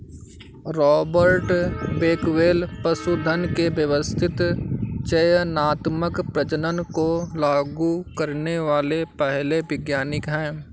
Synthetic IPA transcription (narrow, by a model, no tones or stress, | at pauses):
ɾɔːbəɾʈbeːkʋeːlpɐsud̪ʱənkebjəʋəst̪ʰɪt̪t͡ʃɐjnaːt̪məkpɾɐd͡ʒənənkolaːɡukɐɾneʋaːlepɛɦlebɪɡjaːnɪkɦɛ̃ː